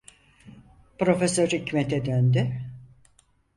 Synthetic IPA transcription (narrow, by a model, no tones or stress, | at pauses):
pɾo̞fesøɾicʰmet̪ʰɛd̪ønd̪y